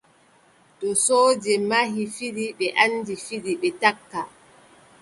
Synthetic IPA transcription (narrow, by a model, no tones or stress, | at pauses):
ɗɔsoːd͡ʒɛmaɦifiɗiɓɛʔandifiɗiɓɛtakːa